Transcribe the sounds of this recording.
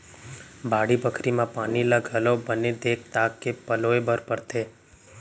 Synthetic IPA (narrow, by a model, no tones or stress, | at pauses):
baɽibəkʰɾimãpanilaɡʱəlobəned̪ek̚t̪akːepəloebəɾpəɾt̪ʰe